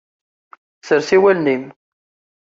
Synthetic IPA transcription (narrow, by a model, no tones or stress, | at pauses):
səɾsiwælnim